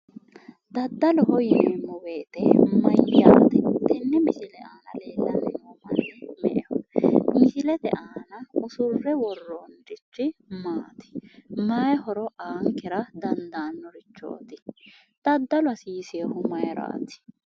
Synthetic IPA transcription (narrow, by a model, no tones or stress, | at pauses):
d̪ɐd̪ːɐlʊhɔjɪmmːɔweːt̪ɛmɐjːa̰ːt̪ɛd̪ɛnːɛmɪsɪlɛʔaːnɐleːlːɐnɪmoːmɐnːhʊmɛ̰ʔɛmɪsɪlɛt̪ɛʔaːnɐʊsʊrːɛwɔrːoːnd̪ɪt͡ʃːɪmaːt̪ɪ̥mɐjɛhɔɾɔʔaːŋkɛɾɐd̪ɐnd̪aːnːɔɾɪt͡ʃːo̞̰ːt̪ɪ | d̪̥ɐd̪ːɐlʊɐsiːseːhʊmɐjɾa̰ːt̪ɪ̥